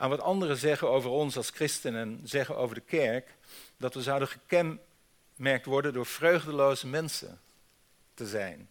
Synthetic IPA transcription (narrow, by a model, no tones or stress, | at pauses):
ʔaːnʋɑtɑndərəzɛχənowvəɹɔnsɑlˠskrɪstənənzɛχənʔo̰wvəɹdəkɛɹk | dɑtʋəzɑwdənχəkɛn | mɛɹk̚tʋɔɹdəndʊːɹv̥røɥχdəlowzəmɛnsə̰n | təzɛjn